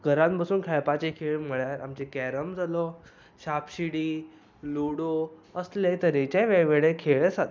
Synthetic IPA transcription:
ɡʱəɾãmpasuːnkʰɛɭpat͡ɕekʰeɭm̤əɭjaɾa̰mt͡ɕekɛɾəmd͡zʱalɔ | ɕapɕiɽiː | luɽoəslet̪əɾet͡ɕẽʋeɭʋeɭẽkʰeɭesat̪

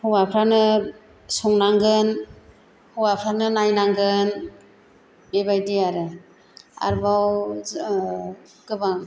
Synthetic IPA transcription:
hɔwapʰɾanɯ | sɔŋnaŋɡɯn | hɔwapʰɾanɯnajnaŋɡɯn | bebajdiaɾɯ | a̰ɾbaw | ɡɯbaŋ

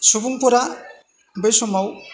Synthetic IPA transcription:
subuŋpuɾa | bɯjsɔmaw

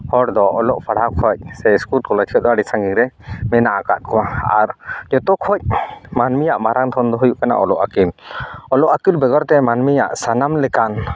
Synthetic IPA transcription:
hɔɽd̪ɔʔɔlɔʔpʰaɽakʰɔc̚sɛskulkɔlat͡ʃʰiɔʔ̪̚d̪ɔaɽisaŋɡiŋɾɛmɛnaʔaka̰t̪̚kɔwaa̰ɾd͡ʒɔt̪ɔkʰɔc̚manmijaʔmaɾaŋt̪ʰɔnd̪ɔɦujuʔkana̰ʔɔlɔʔakilɔlɔʔakilbɛɡɔɾt̪ɛmanmijaʔsanamlɛkan

